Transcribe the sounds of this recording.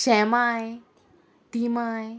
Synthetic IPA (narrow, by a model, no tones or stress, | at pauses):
ɕɛ̃maj | t̪imaj